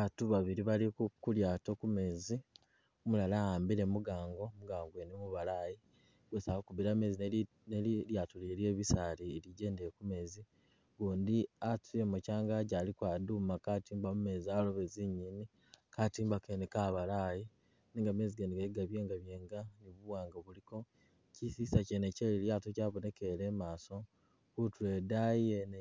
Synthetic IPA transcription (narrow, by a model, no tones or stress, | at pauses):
βatuβaβiɾiβalikuljaːtokume̞ːzi | mulalaaːmbiɾe̞muɡaːŋɡo̞muɡaːŋɡwenemuβalaji | ɡ̥wesawokuβiɾame̞zin | neljatuleɾjeːβisalieliɟe̞ːndekume̞zi | ɡuːndiatiemocaːŋɡaɟaːlikwadumakatiːmbamume̞zalo̞βeziɲini | katiːmbakenikaβalaji | niːŋɡame̞ziɡendiɡeɡaβje̞ːŋɡaβjeːŋɡaniβuwaːŋɡaβuliko̞ | cisisaceneceleljaːtocaβone̞keɾeːmaːso̞ | kutuedajen